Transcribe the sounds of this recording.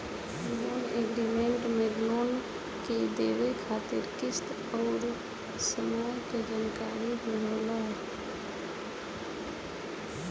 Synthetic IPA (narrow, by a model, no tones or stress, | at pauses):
loːneːɡɾimẽɳʈmẽloːn | ked̪eːʋekʰaːt̪ɪɾkɪst̪ | ɔːɾ | səmaːjked͡ʒaːnkaːɾiɦəlɾoːlaɦɛ